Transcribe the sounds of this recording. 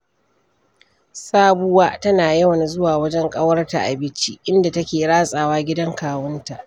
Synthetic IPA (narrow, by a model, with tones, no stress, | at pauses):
saː˦bʊ˦waː˦tɐ˦naː˨jɐ˦wɐ˨n˨zʊ˦waː˨wɐ˦d͡ʒɛ˦ŋkʼɐ˦wɐ˦rta̰˨ʔa˨bɪ˦t͡ʃi˦ʔɪ˦nda˨tɐ˦kʲeː˨ɽaː˦sʼaː˨waː˦ɡʲɪ˦dɐ˦ŋkaː˨wɐ˦nta˨ʔ